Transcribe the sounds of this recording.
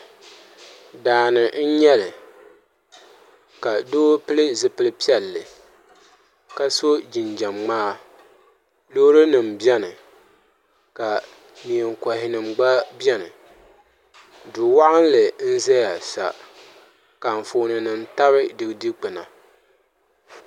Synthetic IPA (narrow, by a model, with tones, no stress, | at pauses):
daː˨nɨ˨n̩˦ɲɛ˦lɨ˨ | ka˨doː˦pɨ˦lɨ˦zɨ˨pɨ˦lɨ˦pi˦ɛ˨lːɨ˨ | ka˦so˦d͡ʒi˨nd͡ʒa˨mŋ͡maː˦ | lo˦ɾɨ˦nɨ˨m̩bɛ˦nɨ˨ | ka˨ | mi˨ɛ˨ŋkɔ˨hɪ˨nɨ˨mɡ͡ba˦bjɛ˦nɨ̰˨ | dʊ˨wa˦ʔa˦n˦lɨ˨n̩˦zɛ˦ja˨sa̰˨ | ka˨ɱ̩˨fo˨nɨ˨nɨ˨n˦ta˦βɨ˦dɨ˨ɡdi˦k͡pɨ˨na̰˨